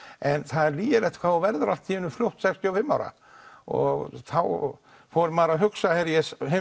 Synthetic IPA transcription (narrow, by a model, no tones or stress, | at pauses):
ɛnθaðɛɾliːjɪlɛht̪kʰvawvɛɾðʏɾa̰l̥t̪ʰiːjɪnʏfljowht̪sɛkst̪jɔɔfɪmːaːwɾa̰ | ɔ̰ɣθaw | fɔɾmaːɾaɦʏksahɛɾjɛsɪ